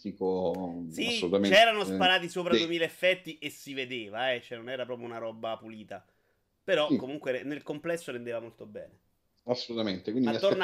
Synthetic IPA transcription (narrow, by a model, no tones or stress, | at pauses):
d̪ikosiasolut̪amet͡ʃɛːɾanospaɾaːt̪isoːpɾad̪uwemiːleefːɛt̪ːiʔesːived̪eːvaɛt͡ʃoɛnonɛːɾapɾɔːpɾjounaɾɔːbːapuliːt̪a | peɾɔkːomuŋkweenelkomplɛsːoɾend̪eːvamolt̪obɛ̰ːne | asːolut̪ament̪ekwinaiaon